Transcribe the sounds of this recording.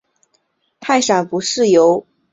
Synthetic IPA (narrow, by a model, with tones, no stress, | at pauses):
p̪ʰa˥˩ɪʂa˨˩pu˧˥ʂɻ̩˥˩jo˧˥ʊ